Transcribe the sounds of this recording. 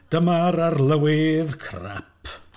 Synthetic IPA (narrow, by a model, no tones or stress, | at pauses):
d̥əmaɾarlˠəwɪðkʰra̰pʰ